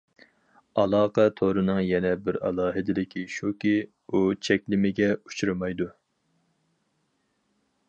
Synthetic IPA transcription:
ɑlˠɑːqʰɛt̪ʰoɾɨnɨŋjɛnɛbɪɾɑ̰lˠɑːɦɨd̪ɪd̪ɪkʲʰiʃukʲi | ut͡ʃʰɛkʲlɪmɪɡʲɛu̥t͡ʃʰuɾɨmɑjd̪u

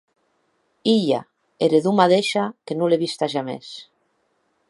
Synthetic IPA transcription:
iʎa̰ | eɾeðumaðeʃakenuleβist̪aʒamḛs

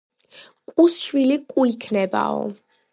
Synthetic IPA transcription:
kʼuswilikʼuikʰnɛba̰ɔ̰

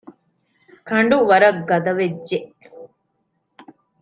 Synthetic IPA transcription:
kɐɳɖuʋɐɾɐɡːɐd̪ɐʋed͡ʒːeʔ

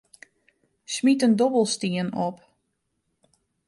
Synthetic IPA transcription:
smitəndɔbəlˠstiənɔp

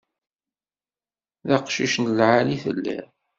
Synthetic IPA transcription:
ðaqʃiʃnəlʕaliθə̰lːḭ

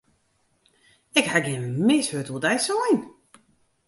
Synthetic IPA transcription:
ɛkhaɡɪənmɪshøtʰəlˠdɛjsɔjn

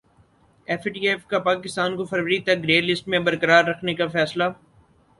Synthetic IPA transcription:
ɛfʈiːefkapaːkɪst̪aːnkofɐɾʋəɾit̪ɐkɾeːlɪsʈmẽbɐɾkəɾaːɾːɐkʰnekafɛːsla

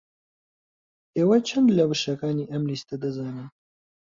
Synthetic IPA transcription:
eːwɐt͡ʃʰɐnd̪lɐwɨʃɐkaːniːʔɐmlist̪ɐd̪ɐzaːnɨn

